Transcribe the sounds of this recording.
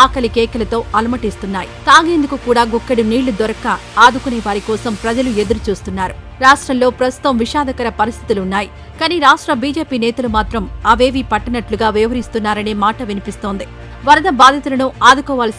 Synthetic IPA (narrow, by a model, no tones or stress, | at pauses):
aːkɐlikɛːkɐlɐt̪o̞ːɐlɐmɐʈist̪unːaːjit̪aːɡe̞ːnd̪ukukuːɽaːɡukːɐɽiniːɭːud̪ɔɾɐkaaːd̪ukuneːʋaːɾikɔːsɐmpɾɐd͡ʒɐlue̞d̪uɾut͡ʃuːst̪unːaːɾu | ɾaːʂʈɾɐmlo̞ːpɾɐst̪u̥t̪ɐmʋiʃaːd̪ɐkɐɾɐpɐɾist̪ʰit̪ulunːaːji | kaːniɾaːʂʈɾɐbiːd͡ʒeːpiːnɛːt̪ɐlumaːt̪ɾɐmɐʋe̞ːʋipɐʈːɐnɐʈluɡaːʋiʋɐɦɐɾist̪unːaːɾɐne̞ːmaːʈɐʋinipist̪o̞ːnd̪i | ʋɐɾɐd̪ɐbaːd̪ʱɐt̪ulɐnuaːd̪ukɔːʋaːlɐs